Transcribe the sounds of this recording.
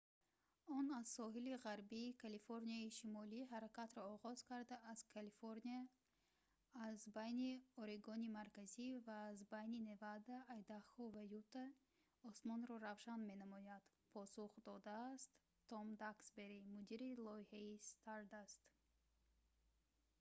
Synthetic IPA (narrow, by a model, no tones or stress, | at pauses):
ɔnazsɔɦiliʁaɾbiːkʰalifoɾniaiʃimɔliɦaɾakat̪ɾɔːʁɔz̥kʰaɾd̪aːz̥kʰalifoɾnia | zbajniɔɾiɡɔnimaɾkazivaːzbajnine̞vad̪aːjd̪aχɔvajut̪a | ɔsmɔnɾɔɾavʃanme̞namɔjad̪̥ | pʰɔsuχd̪ɔd̪aːst̪ː | ɔmd̪aksbe̞ɾimud̪iɾilɔihaist̪ʰaɾd̪ast̪